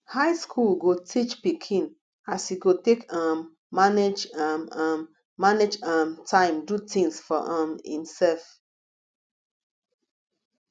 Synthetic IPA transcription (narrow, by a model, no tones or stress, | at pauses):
haɪskʰulɡotʰit͡ʃpikʰĩn | asiɡotekãmː | aned͡ʒamãmː | aned͡ʒãmtʰãɪ̃mdutĩŋsfɔ̰ʔãmḭ̃nsɛlf